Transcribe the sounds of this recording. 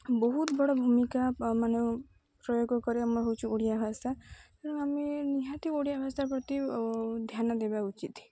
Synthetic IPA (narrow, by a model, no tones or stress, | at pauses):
bɔɦut̪bɔɽɔbʱumikamane | pɾɔjoɡkɔɾeamɔɾɦowt͡ʃʰuoɽijabʱast̪akaɽɔŋameniɦãt̪ioɽijabʱast̪aɾpɾɔt̪id̪ʱjanɔd̪ebaut͡ʃit̪